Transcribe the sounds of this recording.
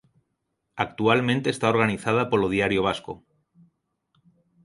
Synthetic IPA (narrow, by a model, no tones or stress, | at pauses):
ak̚t̪ualmẽnt̪e̞ːst̪ao̞ɾɣaniθað̞apoloðjaɾjoβ̞asko̰